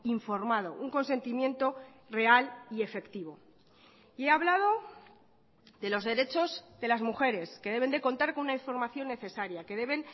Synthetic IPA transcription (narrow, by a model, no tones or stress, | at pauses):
iɱfo̞ɾmað̞o̞̰ʔuŋko̞nse̞nt̪imjẽ̞nt̪o̞re̞alie̞fe̞kt̪iβ̞o̞ | ie̞aβlað̞o̞ | ðe̞lozðe̞ɾe̞t͡ʃo̞zðe̞lazmuxe̞ɾe̞skeðe̞βe̞nd̪e̞ko̞nt̪aɾko̞nunaiɱfo̞ɾmaθjo̞nːe̞θe̞saɾjake̞ðe̞β̞e̞n